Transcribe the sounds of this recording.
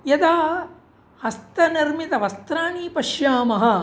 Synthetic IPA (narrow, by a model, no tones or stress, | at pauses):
jɐd̪aː | hɐst̪ɐniɾmit̪ɐʋɐst̪ɾaːniːpɐʃjaːmɐɦɐ̆